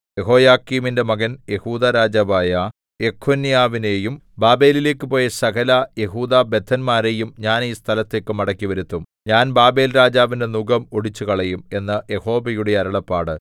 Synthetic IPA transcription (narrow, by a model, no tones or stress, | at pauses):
je̞ɦo̞ːjaːkːiːminde̞mɐɡɐnje̞huːd̪aːɾaːd͡ʑaːbaːjɐ | e̞kʰːonijaːʋine̞ːjum | baːbe̞ːlile̞ːkːɨpo̞ːjesɐkɐlaje̞ɦuːd̪aːbe̞d̪ʱʰɐnmaːɾe̞jumɲaːniːst̪ʰɐlɐt̪ːekːɨmɐɽɐkːiʋɐɾut̪ːumɲaːnbaːbe̞ːlɾaːd͡ʑaːʋinde̞nuɡɐmo̞ɽit͡ɕːuɣɐɭejume̞nːɐje̞ho̞ːbɐjuɽe̞ɐɾɐɭɐpːaːɽɨ